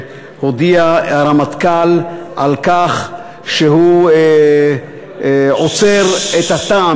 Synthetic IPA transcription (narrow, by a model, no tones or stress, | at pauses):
hod̪iaaɾamat̪kalʔalkaχ | ʃehu | ʕot͡seʁet̪hat̪a